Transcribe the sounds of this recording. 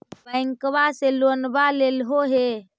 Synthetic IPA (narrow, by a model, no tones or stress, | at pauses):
bə̃ŋkβaselonbalelɦoɦe